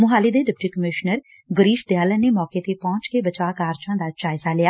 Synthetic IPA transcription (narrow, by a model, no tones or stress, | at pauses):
mʊɦaːliːd̪eːɖɪp̚ʈiːkəmɪʃnəɾ | ɡəɾiːʃd̪ɪjaːləneːmɔːkeːt̪eːpɔ̃ːt͡ʃkeːbət͡ʃaːkaːɾt͡ʃãːd̪aːt͡ʃaːɪzaːlɪaː